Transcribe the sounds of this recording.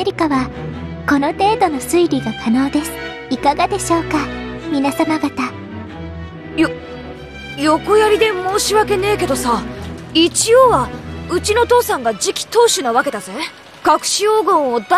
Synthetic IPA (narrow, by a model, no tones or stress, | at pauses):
eɾʲikaβa | ko̞no̞t̪e̞ːd̪o̞no̞sɨiɾʲiɡak̪ano̞ːd̪e̞sɨ̥ | ikaɡad̪e̞ɕo̞ːkamʲinasamaɡat̪a | jo | jo̞kojaɾʲid̪e̞mo̞ːɕiβake̞ne̞ːke̞d̪o̞sait͡ɕioβaɯ̟t͡ɕino̞t̪o̞ːsãŋɡad͡ʑikʲi̥t̪o̞ːɕɨnaβake̞d̪azẽ | kakɯ̟̥ɕioːɡõɰ̃od̪